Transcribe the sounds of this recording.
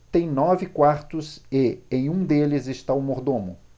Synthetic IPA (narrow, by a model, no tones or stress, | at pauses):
t̪ẽj̃nɔvɪkwaɾt̪ʊsɪẽj̃ũd̪elɪzɪst̪aʊmoɾd̪õmʊ̰